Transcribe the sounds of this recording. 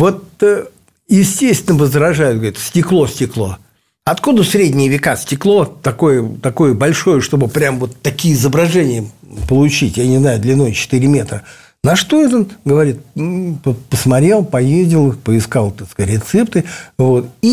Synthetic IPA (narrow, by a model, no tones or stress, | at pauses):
vo̞t̪ | jɪsʲtʲesʲt̪ʲɪnəvəzɾɐʐajʊt̪̚ɡəɾʲit̪sʲtʲɪklˠo̞sʲtʲɪklˠo̞̰ | ɐt̪kud̪əsɾʲedʲnʲɪjəvʲɪkasʲtʲɪklˠo̞t̪ɐko̞jət̪ɐko̞jəbɐlʲʂo̞jəʂt̪o̞bɨpɾʲamvo̞t̪ːɐkʲijəɪzəbɾɐʐɛnʲɪjə | pəlˠʊt͡ɕitʲjanʲɪznajʊd̪lʲɪnːo̞jt͡ɕɪ̥t̪ɨɾʲɪmʲet̪ɾə | nɐʂt̪oɛt̪onɡəvɐɾʲit̪pəpəsmɐt̪ɾʲe̞lˠpɐjezʲdʲɪlˠɨpəɪskalˠt̪askɐtʲɾʲɪt̪sɛpt̪ɨvo̞t̪i